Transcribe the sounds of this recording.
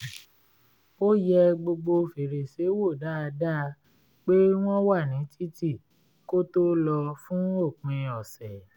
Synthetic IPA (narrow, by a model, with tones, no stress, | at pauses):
o˦jɛ˧ɡ͡bo˧ɡ͡bo˧fe˨ɾe˨se˨˦wo˦˨da˦a˧da˦˧ | k͡pe˦w̃ɔ̃˦wa˦˨nĩ˨˦tʰi˦ti˦˨ | ko˦to˦lɔ˧fũ˦o˦˨k͡pẽ˧ɔ˨sɛ˨